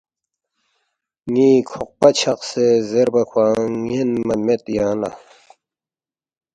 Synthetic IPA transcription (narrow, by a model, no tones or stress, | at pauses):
ŋiːkʰuq̚pɐt͡ɕʰɐqsezeɾbɐkʰwãːŋinmɐmet̪jãːna̰